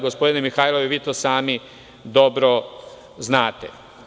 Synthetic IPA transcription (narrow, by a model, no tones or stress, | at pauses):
ɡospo̞d̪inemixaːjlˠoʋiʋiːt̪oːsaːmi | d̪o̞bɾo | znaːt̪ḛ